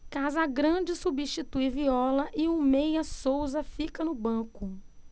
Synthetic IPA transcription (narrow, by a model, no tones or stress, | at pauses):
kazɐɡɾɐ̃d͡ʒɪsubiʃt͡ʃit̪ujviɔlɐʔɪumejɐsowzɐfikɐnʊbɐ̃kʊ